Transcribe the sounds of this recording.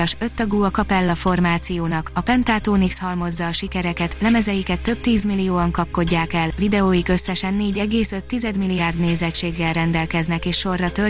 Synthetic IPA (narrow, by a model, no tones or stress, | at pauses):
ʃø̞t̪ːɒɡuːɒkɒpɛlːɒfo̞rmaːt̪sijoːnɒkɒpɛnt̪aːt̪oːnikshɒlmo̞zːɒːʃikɛɾɛkɛt̪lɛmɛzɛjikɛt̪ːø̞p̚t̪iːzmilːijoːɒŋkɒp̚ko̞ɟːaːkɛlvid̪ɛoːjikø̞sːɛʃɛnːeːɟɛɡeːsøt̪ːizɛd̪milːijaːrd̪neːzɛt͡ʃːeːɡːɛlrɛnd̪ɛlkɛznɛkeːʃʃo̞rːɒt̪ø